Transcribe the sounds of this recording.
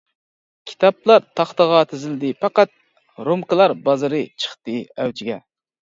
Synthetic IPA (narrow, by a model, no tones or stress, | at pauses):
kʲʰi̥t̪ʰɑplˠɑɾt̪ʰɑχt̪əʁɑt̪ʰɪzɪlɪd̪ɪpɑqɑt̪̚ | ɾomkɨlˠɑɾbɑzɨɾɨt͡ʃʰə̥χt̪ɨɛwt͡ʃʰiɡʲɛ